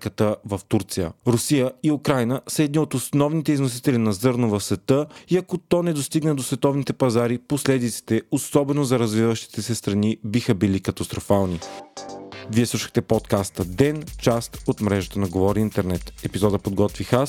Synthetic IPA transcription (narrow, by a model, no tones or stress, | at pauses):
kət̪əvɐft̪uɾt̪sijə̰ɾʊsijəiukɾajnəsəɛd̪niot̪osnɔvnit̪ɛiznos̬it̪ɛlinɐzɤɾnovɐfsvɛt̪əiɐkot̪ɔnɛd̪ost̪iɡnəd̪osvɛt̪ɔvnit̪ɛpɐzaɾiposlɛd̪it̪si̥t̪ɛosɔbɛnozɐɾɐzvivəʃt̪i̥t̪ɛsɛst̪ɾɐnibixəbilikɐt̪ɐst̪ɾofalˠni | viɛslˠuʃə̥xt̪ɛpɔt̪kast̪əd̪ɛnt͡ʃast̪ot̪mɾɛʒət̪ənɐɡovɔɾiint̪ɛɾnɛt̪ɛpizɔd̪əpod̪̚ɡɔt̪vixas